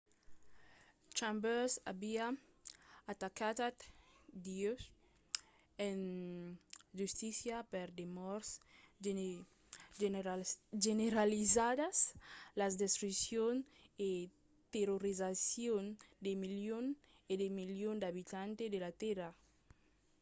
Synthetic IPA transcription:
t͡ʃambɛsa̰bia | at̪akat̪at̪d̪ios | en | ʒust̪isjapeɾd̪emɔɾs | ʒeneɾalizad̪aslazd̪est̪ɾusjon | e | t̪eɾoɾizasjond̪emiljon | ed̪emiljond̪aβit̪ant̪ed̪elat̪ɛɾa

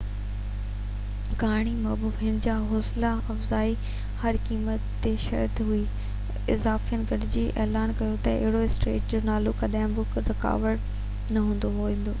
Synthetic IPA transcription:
ɡaːɽ̃imɐɦbubind͡ʑaːɦoːslaɐfzaːi | hɐɾkiːmət̪ːeʃɐ̰ɾt̪ɦui | ɪzaːfiənɪ̆ɡɐɾɪd͡ʑiːʔɛːlaːnkɐjot̪ɐɪ̰ɦɪɽoɪsʈɾḛːʈ̚d͡ʑoːnaːlokɐɗãːɪ̃bʊkɾɪka̰ːʋəɽ | nɐɦũːnd̪oɦoʋẽːn̆d̪oː

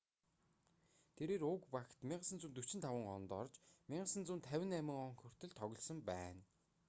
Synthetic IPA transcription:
t̪ʰeɾeːɾʊkpaxt̪mʲiɴɢə̆sə̆nt͡sunt̪ɵ̥t͡ɕɪ̆nt̪ʰawə̆ŋɢɔn̆t̪ɔr̆t͡ɕmiɴɢə̆sə̆nt͡sumnt̪ʰːæwʲɪ̆næmɪ̆ŋɔŋxɵr̥t̪ɘ̆ɮt̪ʰɔɣʲɞ̆ɮsɞ̆mpæːn

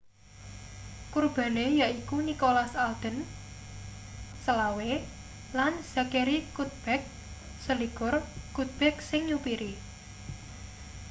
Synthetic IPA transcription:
kurb̥a̤nejaʔikunikolasald̪̥ə̤n | səlawe | lanz̥a̤keɾikut̪̚b̥ɛk̚ | səlikʊrkut̪̚b̥ɛk̚sɪŋɲupiɾi

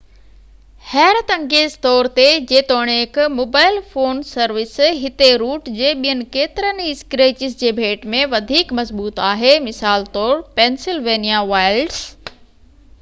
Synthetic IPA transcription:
hɛːɾt̪ɐ̃ŋɡeːzt̪ɔːɾt̪ed͡ʑeːt̪oːɽ̃eɪkmoːbaːɪlfoːnsɐɾʋɪsɦɪt̪eɾuːʈd͡ʑeːɓijənɪ̆keːt̪ɪɾənɪskɾeːt͡ɕɪzd͡ʑeːbʱeːʈmẽʋɐd̪ʱiːkmɐzbuːt̪aːɦemɪsaːlt̪ɔːɾpeːnsɪlʋeːnijaʋaːɪlɖs

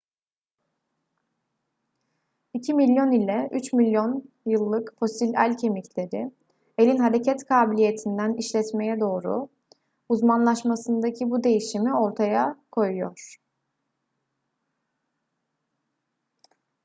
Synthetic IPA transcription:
icʰimilʲjo̞nilʲɛʔyt͡ʃmilʲjo̞n | jɯlˠːɯkfo̞silʲæ̰lʲcʰe̞micʰlʲe̞ɾɪ | e̞lʲinɦaɾe̞cʰɛt̪kʰaːbilʲije̞t̪ʰind̪æniʃlʲɛt̪me̞jɛd̪o̞ːɾṵ | uzmanlˠaʃmasɯnd̪acʰibud̪e̞jiʃimio̞ɾt̪ʰajakʰo̞jujo̰ɾ̥

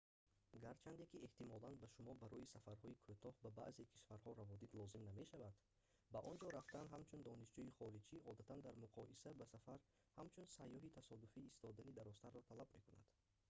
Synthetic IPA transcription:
ɡaɾt͡ʃʰand̪ekieht̪imɔlanbaʃumɔbaɾɔisafaɾhɔikʰot̪ʰɔhbaba̰ʔze̞kʰi̥ʃfaɾhɔɾavɔd̪id̪lɔzimname̞ʃavad̪ | baʔɔnd͡ʒɔɾaft̪anɦamt͡ʃʰund̪ɔniʃd͡ʒuiχɔɾid͡ʒiʔɔd̪at̪ʰand̪aɾmuqʰɔʔisabasafaɾ | hamt͡ʃʰunsajːɔɦit̪ʰasɔd̪ufiːst̪ʰɔd̪anid̪aɾɔst̪aɾːɔt̪ʰalabme̞kuna̰d̪̥

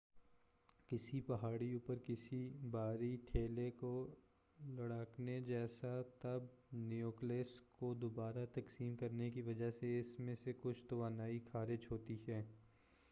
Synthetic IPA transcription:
kɪsipɐɦaːɽiuːpəɾkɪsibaːɾiʈʰeːleko | lɐɽaːkned͡ʒɛːsat̪ɐb̚nijoːkleːskod̪obaːɾat̪ɐksiːmkɐɾnekiʋɐd͡ʒaɦseɪsmẽsekʊt͡ʃʰt̪ʊʋaːnaːixʰaːɾɪd͡ʒɦoːt̪iɦɛː

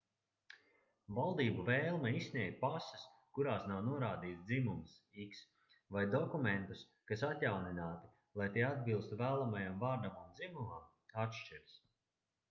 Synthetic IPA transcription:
valˠd̪iːbuvɛːlˠmɛissnʲiɛɡ̚ʲpasɐ̥skuɾaːsnawnuɔɾaːd̪iːt̪sd̪imumsiks | vajd̪ɔkument̪us | kasat̪jawninaːt̪i̥ | lˠajt̪iɛad̪̚bilˠst̪uvæːlˠamajamvaːɾd̪amund̪zimumam | at̪ʃt͡ʃiɾs

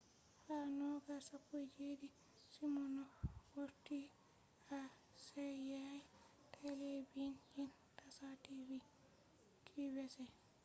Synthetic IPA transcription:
hanɔɡasapːud͡ʒidi | simɔnɔwoɾtːi | a | sɛjaj | tʰelebinhin | tasatibi | kʰibɛsɛ

